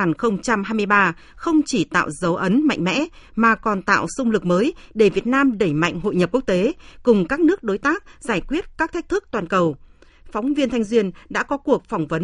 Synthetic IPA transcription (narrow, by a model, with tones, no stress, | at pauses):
a˨˩nxə˧wŋ͡mt͡ɕa˧mɦaː˧jmɨ˧əjɓaː˧ | xə˧wŋ͡mt͡ɕi˧˩t̪a̰ː˧˨wzə˨˦wʔə˨˦nma̰˧˨jŋ̟mɛ̰˧˥ | maː˨˩kɔ˨˩nt̪a̰ː˧˨wsʊ˧ŋ͡mlɨ˨˩k̚məː˨˦jɗe˧˩vi˨˩ət̚naː˧mɗə˧˩jma̰˧˨jŋ̟ɦo̰˧˨jɲə˨˩p̚ku˦˥ək̚t̪e˨˦kʊ˨˩ŋ͡mkaː˦˥k̚nɨ˦˥ək̚ɗo˨˦jt̪aː˦˥k̚zaː˧˩jkwi˦˥ət̚kaː˦˥k̚t̪ʰa˦˥k̟̚t̪ʰɨ˦˥k̚t̪waː˨˩nkə˨˩w | fɔ˨˦wŋ͡mvi˧ənt̪ʰa˧ŋzwi˧ənɗa̰ː˧˥kɔ˨˦ku˨˩ək̚fwŋ͡mvə˨˦n